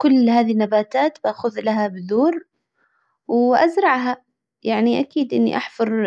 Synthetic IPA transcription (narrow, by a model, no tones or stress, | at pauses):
kʊlːhaːðinːabaːt̪aːt̪baʔxʊðlaɦabɪðuːɾ | wʔa̰zɾˤɑʕɦa | jaʕniʔakiːd̪ʔɪnːḭʔaħfʊɾˤ